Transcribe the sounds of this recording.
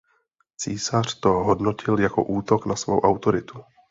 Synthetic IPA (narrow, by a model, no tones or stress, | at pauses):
t͡siːsar̥t̪o̞ɦo̞dno̞cʰɪljako̞̰ʔuːt̪o̞knasvo̰wʔawt̪o̞ɾɪt̪u̥